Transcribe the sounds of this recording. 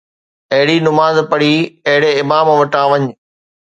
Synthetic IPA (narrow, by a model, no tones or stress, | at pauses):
ɐɦɪɽinʊmaːzpɐɽiːɐɦɪɽeɪmaːmʋɐʈãːʋɐɲ